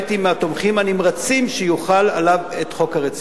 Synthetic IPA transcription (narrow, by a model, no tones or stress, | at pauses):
timeat̪omχimanimʁat͡simʃejuχalalavet̪χo̞khaʁet͡s